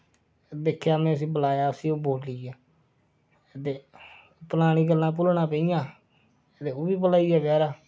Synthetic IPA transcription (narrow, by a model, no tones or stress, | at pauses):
d̪eːkʰːjaːmɛ̃ːəs̬ĩːbəlaːjaːəsĩːoːboːʈlɪːaː | t̪eː | pəlaːñiːɡəlːãːp̬ʊlɳãːpə̃ːijãː | t̪eːoːbiːp̬əlaːiːaːɡɛːɾaː